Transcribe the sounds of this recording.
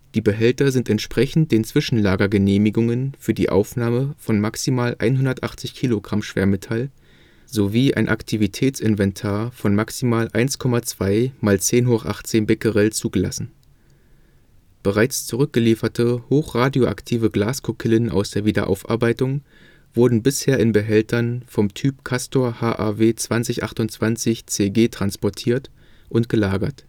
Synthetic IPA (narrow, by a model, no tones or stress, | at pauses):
d̥iːbəɦɛltɐzɪntɛntʃpʁ̥ɛçn̩t̚d̥eːnt͡sv̥ɪʃn̩laːɡɐɡəneːmɪɡʊŋənfyːɐdḭːʔa̰ʊfnaːməfɔnmaksimaːlʔa̰ɪnɦʊndɐtʔaχt͡sɪçkʰiːloɡʁamʃv̥ḛːɐmɪtʰal | zoviːʔa̰ɪnʔa̰ktʰivitʰɛːt͡sɪnvɛntʰaːɐfɔnmaksimaːlʔa̰ɪnskʰɔmat͡sv̥aɪmaːlt͡seːnɦoːχʔa̰χt͡seːnbɪkəʁɛlt͡suːɡəla̰sn̩ | b̥əʁ̞aɪt͡st͡suʁʏk̚ɡ̥əliːfɐtʰəhoːxʁ̥aːdjoʔa̰ktʰiːvəɡlaːskʰʊkʰɪlənʔa̰ʊsd̥eːɐviːdɐ̰ʔa̰ʊfʔa̰ɐbaɪtʊŋ | v̥ʊɐdn̩bɪsheːɐɪnbəɦɛltʰɐnfɔmtʰyːpkʰastoːɐhaːʔɛ̰ɐveːt͡sv̥ant͡sɪçʔa̰χtʊntt͡sv̥ant͡sɪçt͡seːɡeːtʁ̥anspɔɐtʰiːɐt | ʔʊntɡ̥əlaːɡɐ̰t